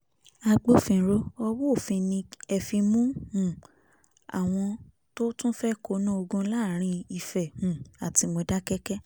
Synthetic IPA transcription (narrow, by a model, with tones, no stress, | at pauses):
a˧ɡ͡bo˧fĩ˧˨ɾo˦ɔ˧wo˦˨fĩ˧nĩ˧ɛ˨fĩ˧mũ˦hũ˨ | a̰˨w̃ɔ̃˧ | to˦tũ˦fɛ˦ko˨˦nã˦o˧ɡũ˧˦la˦˨ɾ̃ĩ˧i˧fɛ˨hũ˨a˨ti˧mo˧da˦kɛ˦kɛ˦